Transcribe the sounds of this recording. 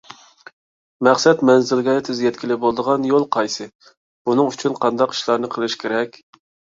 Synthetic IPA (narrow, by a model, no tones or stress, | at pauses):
mɛχsɛt̪mɛnzɪlɡʲɛt̪ʰɪzjɛt̪̚kʲilɪbolˠd̪əʁɑnjolˠqʰɑjsɨ | bunɨŋyt͡ʃʰynqʰɑnd̪ɑqi̥ʃlˠɑɾnɨqʰəlˠɨʃkʲʰeɾɛkʲ